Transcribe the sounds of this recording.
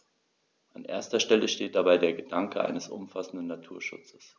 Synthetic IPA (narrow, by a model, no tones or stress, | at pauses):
ʔanʔḛːɐstɐʃtɛləʃteːt̚d̥abaɪdeːɐɡədaŋkəʔa̰ɪnəsʔʊ̰mfasn̩dn̩natʰuːɐʃʊ̰t͡sə̥s